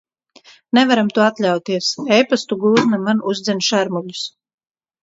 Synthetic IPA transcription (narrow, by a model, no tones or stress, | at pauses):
nɛvaɾamt̪uɔat̪lʲawt̪iɛsɛjpast̪uɡuːznamanuzd̪zʲɛnʃæɾmuʎu̥s